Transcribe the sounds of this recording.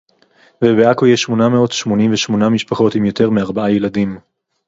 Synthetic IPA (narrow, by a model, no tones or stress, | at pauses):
vebeakojeʃmo̞nameo̞tʃmo̞nimveʃmo̞namiʃpaχo̞timjo̞te̞ʁmeaʁbaajeladim